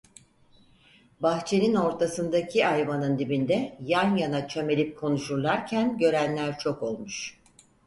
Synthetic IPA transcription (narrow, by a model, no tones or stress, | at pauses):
baxt͡ʃʰe̞nino̞ɾt̪ʰasɯnd̪acʰiajvanɯnd̪ibind̪ɛjanjanat͡ʃʰø̞me̞lʲip̚kʰo̞nuʃuɾlˠaɾcʰænɟø̞ɾænlʲæɾt͡ʃʰo̞ko̞lˠmuʃ